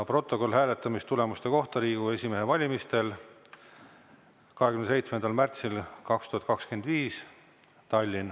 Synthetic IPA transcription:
pro̞t̪ːo̞ko̞lːɦæːle̞t̪ːˑɑmist̪ule̞must̪e̞ko̞ht̪ɑɾiːɡ̥ue̞sʲimeɦe̞vɑlʲimist̪e̞l | kɑɦekynese̞jt̪smend̪ɑlmært̪silkɑkst̪uhɑt̪kɑkskend̪viːs | t̪ɑlʲːin

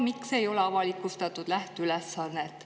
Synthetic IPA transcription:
mikse̞jo̞leɑvɑlikːˑust̪ɑt̪ːˑud̪̥læht̪ylɛsːɑnːet̪ːˑ

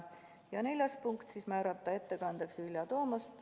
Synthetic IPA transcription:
jɑne̞lʲjɑspuŋkt̪siːsmæːɾɑt̪ˑːɑe̞t̪ːe̞kɑnd̪̥eksvilʲjɑt̪o̞ːmɑst̪

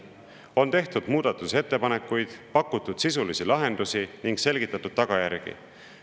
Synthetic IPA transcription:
o̞nt̪e̞ht̪ud̪̥muːd̪̥ɑt̪ːˑuse̞t̪ːe̞pɑne̞kːˑujd̪̥pɑkːˑut̪ːˑud̪̥sisulisilɑɦe̞nd̪̥usiniŋɡse̞lɡ̥it̪ːˑɑt̪ːˑud̪̥̚t̪ɑɡ̥ɑjæɾɡ̥ḭ

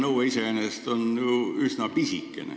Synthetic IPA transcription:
noueisenest̪onnyuysnɑpisikːḛnḛ

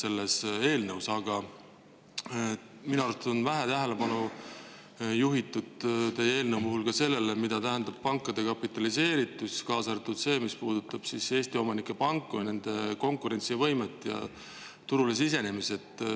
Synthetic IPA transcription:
se̞lːese̞ːlnəwsɑɡ̥ɑ | minɑɾut̪unvæɦæt̪æɦele̞pɑnu | juɦit̪ːˑud̪t̪e̞jee̞ːlnəwmuhulkɑse̞lːe̞lemid̪̥ɑt̪æɦænd̪̥ɑb̥̚pɑŋkˑːɑd̪̥e̞kɑpˑit̪ːˑɑlise̞ːɾit̪ːˑuskɑːsɑɾet̪ːud̪̥se̞ːmispuːd̪̥ut̪ːˑɑb̥sise̞ːsʲt̪io̞mɑnikːˑe̞pɑŋkːˑujne̞nd̪̥e̞ko̞ŋkuɾe̞nʲt̪sivɤ̞jmet̪ːˑjɑ̰ | t̪uɾules̬ise̞ne̞mise̞t̪ː

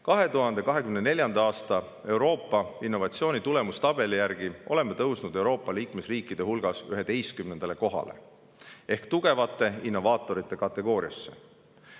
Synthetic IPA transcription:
kɑɦe̞t̪uɦɑnd̪e̞kɑɦe̞kymnene̞lʲjɑnd̪ɑɑːst̪ɑ | e̞uɾo̞ːpːɑinːo̞vɑtsio̞ːnʲit̪ule̞must̪ɑb̥e̞lijæɾɡ̥iʔo̞̰le̞mːet̪ɤwsnud̪e̞uwɾo̞ːpˑːɑliːkme̞sriːkːˑid̪̥e̞hulɡ̥ɑsyɦe̞t̪e̞jskymnend̪̥ɑle̞ko̞ɦɑ̰le̞̰ | e̞hkt̪uɡ̥e̞vɑt̪ːˑe̞inːo̞vɑːt̪ːˑo̞ɾit̪ːˑe̞kɑt̪ˑːe̞ɡ̥o̞ːɾiɑ̰sːe̞̥

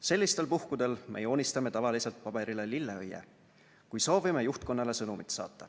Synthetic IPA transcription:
se̞lːist̪e̞lpuhkud̪̥e̞lmʔejo̞ːnʲist̪ɑme̞t̪ɑvɑlise̞lt̪̚pɑb̥e̞ɾʔile̞lilːeøjːḛ | kujso̞ːvime̞juht̪̚ko̞nːɑle̞sɤnumit̪sɑ̰ːt̪ːɑ

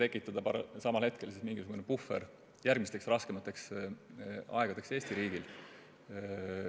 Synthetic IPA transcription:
t̪e̞kːˑit̪ːˑɑd̪̥ɑpɑɾɑsɑmɑlhet̪̚ke̞lsismiŋɡisuɡunepufḛɾ | jærɡ̥mist̪e̞ksrɑske̞mɑt̪ːˑeks | ɑ̰eɡ̥ɑd̪̥e̞kse̞ːst̪iɾiːɡ̥il

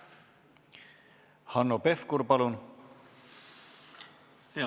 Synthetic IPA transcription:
hanːopefkuɾpɑlun

